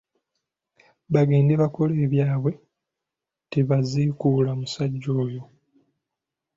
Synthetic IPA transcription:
βaɡe̞ːndeβako̞le̞ːβjaːβwe̞ | teβazikulamusaɟːo̞ːjo̞

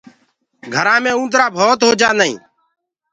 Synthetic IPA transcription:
ɡʱəɾãːmẽːũːnd̪ɾaːbʱoːt̪ɦoːd͡ʒaːnəḭ̃ː

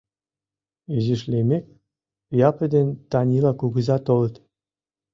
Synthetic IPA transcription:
yziʃlʲemʲek̚ʲ | ijɑpə̆d̪ʲenʲt̪ɑnʲilˠɑkuɡə̆zɑt̪olɤ̆t̪

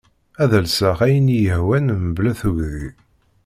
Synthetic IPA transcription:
æðəlsæχæjənjəhwænmblæθuʝði

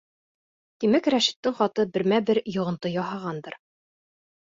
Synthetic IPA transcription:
t̪imækɾæʃɘ̥̆t̪ːɘŋχɒt̪ɤbɘ̆ɾmæbɘɾjŏʁɤ̆nt̪ɤjɒɦɑʁɑnd̪ɤ̆ɾ

